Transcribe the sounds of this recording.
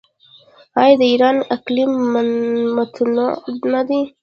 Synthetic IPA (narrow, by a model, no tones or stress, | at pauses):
ɑjɑd̪əiɾɑnaklimː | at̪ʰnonad̪i